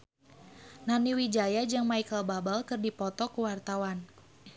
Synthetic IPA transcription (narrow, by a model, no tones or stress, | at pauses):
naniwid͡ʒajad͡ʒɨŋmaikəlbabalkɨrdipɔt̪ɔkuwart̪awan